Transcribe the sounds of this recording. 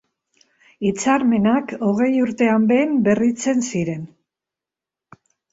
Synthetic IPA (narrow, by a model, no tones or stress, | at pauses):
it͡saɾme̞nako̞ɣ̞e̞juɾt̪e̞ambe̞mbe̞rit͡se̞nsiɾe̞n